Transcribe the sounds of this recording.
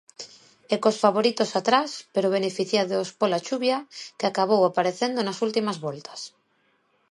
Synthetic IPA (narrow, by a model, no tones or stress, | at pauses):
ekosfaβo̞ɾit̪o̞sat̪ɾaspeɾoβ̞e̞nefiθjaðospolat͡ʃuβjakeakaβ̞owapaɾeθe̞nd̪onasult̪imazβo̞lt̪ḁs